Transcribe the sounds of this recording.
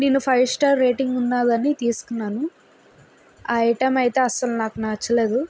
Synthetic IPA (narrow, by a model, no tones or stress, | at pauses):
neːnːupʰɐjsʈaːɾɾeːʈiŋɡunːaːd̪ɐnit̪iːsu̥kunːaːnu | ɐiʈɐmɐjt̪e̞ːɐst̪ɐlunaːkunaːt͡ʃːɐle̞ːd̪u